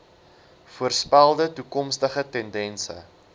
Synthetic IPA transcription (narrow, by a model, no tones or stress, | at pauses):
fuərspælˠdətukɔmstəχətɛndɛnsə̰